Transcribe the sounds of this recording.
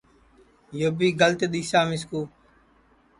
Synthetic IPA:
joːbiːɡəlt̪eɗ̪iːsaːmɪskuː

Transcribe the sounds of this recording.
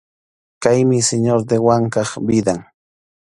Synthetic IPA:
kajmɪseɲoɾd̪ewaŋkɑχbɪd̪aŋ

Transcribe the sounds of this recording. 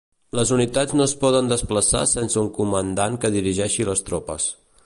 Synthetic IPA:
ləzunit̪ad͡znoəspɔðənd̪əspləsa̰sɛnsəuŋkumənd̪aŋkəðiɾiʒɛʃiləst̪ɾɔpə̰s

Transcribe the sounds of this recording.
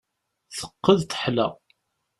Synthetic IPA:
θə̥qːəðt̪ə̥ħlæ̰

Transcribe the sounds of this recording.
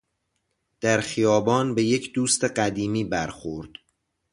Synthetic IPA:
d̪̥æɾxijɒːbɒːnbe̞jecʰd̪uːst̪e̞ɢæd̪iːmiːbæɾxoɾd̪̥

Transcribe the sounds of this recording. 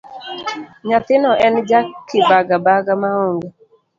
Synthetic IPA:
ɲat̪ɪnɔʔɛnd͡ʒakɪbaɡabaɡamaoŋɡɔ

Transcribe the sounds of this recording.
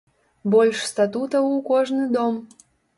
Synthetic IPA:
bɔlʲʂst̪at̪ut̪əukɔʐnɨd̪ɔm

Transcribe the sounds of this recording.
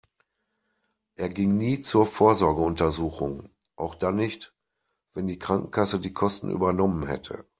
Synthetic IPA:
ʔeːɐɡɪŋniːt͡suːɐfoːɐzɔɐɡəʊntɐzuːxʊŋ | ʔaʊxd̥anːɪçt | v̥ɛndiːkʁ̥aŋkŋ̩kʰasədiːkʰɔstn̩ʔy̰ːbɐnɔmənhɛ̰tʰə̰

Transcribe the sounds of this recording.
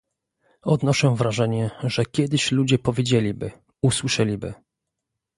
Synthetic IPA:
ɔd̪nɔʂɛvɾaʐɛɲɛʐɛkʲɛd̪ɘɕlud͡ʑɛpɔvʲjed͡ʑelʲibɘ̰ | uswɘʂɛlʲibɘ̰

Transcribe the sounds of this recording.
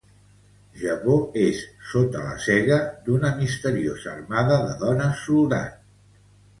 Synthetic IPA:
ʒəβoesːot̪ələ̰sɛɣəd̪unəmist̪əɾiozəːrmaðəðəðɔnəsulˠd̪a̰n

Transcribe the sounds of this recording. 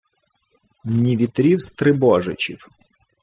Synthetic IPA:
nʲiʋʲit̪ɾʲiwst̪ɾɪbɔʒɪt͡ʃʲḭw

